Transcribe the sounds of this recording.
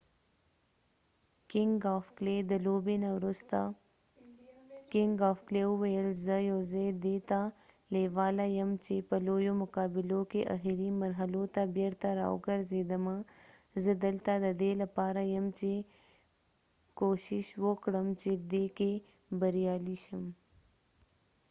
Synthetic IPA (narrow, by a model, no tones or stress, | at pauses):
kɪŋɡaːfkleːd̪əloːbenaɾʊst̪a | kɪŋɡaːfkleuʋɐjəlzəjoːzed̪eːt̪a | leːʋaːlajɐmt͡ʃepɐloːjomʊkaːbɪlokeʔɐ̰ɦiɾimɐɾɦəlot̪abɐɾt̪aɾa̰ːo̰kəɾzeːd̪ɐmãzəd̪əlt̪ad̪ɐd̪eːlɐpaːɾajɐmt͡ʃe | koːʃiʃwokɽəmt͡ʃed̪eːke | bɐɾijaːliʃɐm